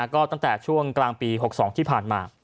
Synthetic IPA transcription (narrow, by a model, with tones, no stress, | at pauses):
kɔː˥˩t̪a˥˩ŋt̪ɛː˨˩t͡ɕʰu˥˩əŋklaː˧ŋpiː˧ɦo˨˩k̚sɔː˩˦ŋt̪ʰiː˥˩pʰaː˨˩nmaː˧